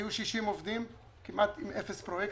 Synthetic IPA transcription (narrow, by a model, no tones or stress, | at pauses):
juʃiʃimovd̪im | kimʔat̪imʔefespʁojek